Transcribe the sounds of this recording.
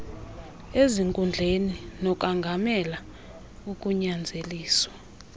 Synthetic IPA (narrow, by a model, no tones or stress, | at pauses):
eziŋkʼund͡ɮʱeninɔk̬ʼaŋɡʱamɛla | uk̬ʼuɲand͡zʱeliːswa